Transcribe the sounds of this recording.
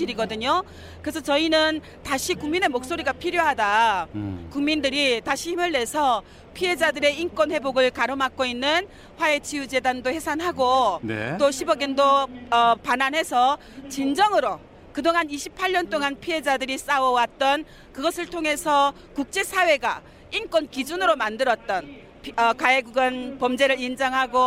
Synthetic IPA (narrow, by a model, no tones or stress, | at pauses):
iɾiɡʌdɯɲo | kɯɾesʰʌt͡ɕʌinɯn | taɕʰikuŋmine̞mok̚s͈oɾiɡapʰiɾjoɦada | kuŋmindɯɾitaɕʰihimɯɭːe̞sʰʌ | pʰiɦe̞d͡ʑadɯɾe̞ink͈wʌnhe̞boɡɯɭkaɾɯmak͈oinːɯn | ɸwae̞t͡ɕijut͡ɕe̞dandohe̞sʰanɦaɡonḛt͈oɕʰibʌɡendoʌpananɦe̞sʰʌ | t͡ɕind͡ʑʌŋɯɾo | kɯdoŋaniɕʰipʰaɭɲʌnt͈oŋanpʰiɦe̞d͡ʑadɯɾis͈awʌwat̚t͈ʌn | kɯɡʌsʰɯɭtʰoŋɦe̞sʰʌ | kuk̚t͡ɕ͈e̞sʰawe̞ɡa̰ | ink͈wʌnkid͡ʑunɯɾomandɯɾʌt̚t͈ʌn | ʌkaeɡuɡɯnpʌmd͡ʑe̞ɾɯɭind͡ʑaŋɦaɡo